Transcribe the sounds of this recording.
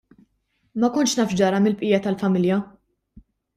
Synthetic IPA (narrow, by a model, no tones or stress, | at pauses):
mɐkʊnʃnɐːfd͡ʒɐɾɐmɪlpʼʔɪːjɐt̪ɐlfɐmɪljɐ